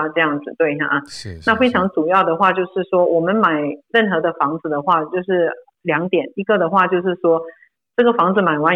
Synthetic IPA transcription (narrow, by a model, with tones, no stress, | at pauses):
ʈ͡ʂɤ˥˧jɑ˥˩ŋd͡zɹ̩˨˩t̪we˥˩ɪ˩˧˩na˥˩fe˥ɪʈ͡ʂʰɑ˧˥ŋʈ͡ʂu˨˩jɑ˥˩ʊd̪ə˩xwa˥˧t͡ɕjo˥˧ʊʂɻ̩˥˩ʂwɔ˥wʔɔ˨˩mə˧˦nma˨˩ɪɻə˥˩nxɤ˧˥d̪ə˧fɑ˧˥ŋd͡zɹ̩˨d̪ə˨xwa˥˧t͡ɕjo˥˧ʊʂɻ̩˥˩ | ljɑ˧˥ŋt̪jɛ˨˩˦ni˧˥ɡə˨d̪ə˩xwa˥˧t͡ɕjo˥˧ʊʂ̬ɻ̩˥˩ʂwɔ˥ | ʈ͡ʂɤ˥˩ɡə˩fɑ˧˥ŋd͡zɹ̩˨˧ma˨˩ɪwa˧˥n